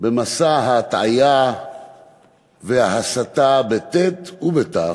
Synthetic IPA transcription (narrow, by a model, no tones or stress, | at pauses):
bemasaɦat̪ʕaja | vehaɦasat̪abet̪et̪ubet̪a